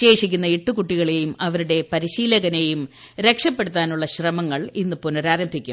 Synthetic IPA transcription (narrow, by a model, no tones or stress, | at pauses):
e̞ːʂikʲːunːɐiʈːukuʈːiɣɐɭe̞jumɐʋɐɾuɽe̞pɐɾiɕiːlɐɣɐne̞jum | ɾe̞kʂɐpːe̞ɽut̪ːaːnuɭːɐɕrɐmɐŋːɐɭinːɨpunɐɾaːɾɐmbʱikʲːṵm